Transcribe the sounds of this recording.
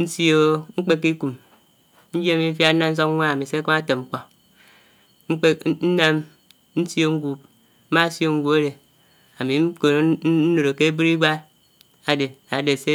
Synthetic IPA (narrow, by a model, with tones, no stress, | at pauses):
n̩˦si˦o˦ŋ͡m̩˦k͡pe˦kːi˦ku˨m | n̩˦d͡ʒi˦a˨mi˨˦fja˦n̩˦na˦n̩˦s̬o˦kʷa˦a˨mi˨se˦kɔ˦a˦te˨ŋ͡m̩˦k͡pɔ˨ | ŋ͡m̩˦k͡pe˦n̩˦na˦m | n̩˦si˦o˦ŋ̩˦ɡu˨p̩̚˦ | ma˦˨sjo˦ŋ̩˦ɡʷu˦e˦ɾe˨ | a˨mi˨˦ko˨˦n̩˦no˨ɾo˨ke˦bi˦ɾi˦ɡʷa˦ | a˨de˨a˨de˨se˦